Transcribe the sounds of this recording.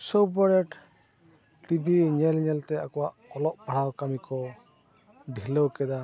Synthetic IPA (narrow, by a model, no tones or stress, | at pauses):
sobəɾɛʈ | ʈibʱiɲɛlɲɛlt̪ɛakɔwaʔɔlɔʔpaɽ̤awkamikɔ | ɖʱiləwkɛd̪a